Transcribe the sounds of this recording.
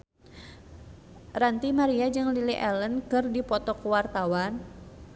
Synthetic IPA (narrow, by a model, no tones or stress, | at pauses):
rant̪imaɾiad͡ʒɨŋliliʔɛlənkɨrdipɔt̪ɔkuwart̪awan